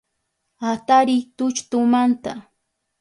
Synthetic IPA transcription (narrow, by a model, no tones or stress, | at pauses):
at̪aɾɪt̪ʊt͡ʃt̪ʊmant̪a